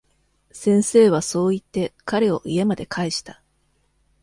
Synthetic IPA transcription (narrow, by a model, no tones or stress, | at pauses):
sẽ̞ɰ̃se̞ːβ̞aso̞ːit̪ːe̞kaɾe̞o̞ʔie̞mad̪e̞kʰaiɕi̥t̪a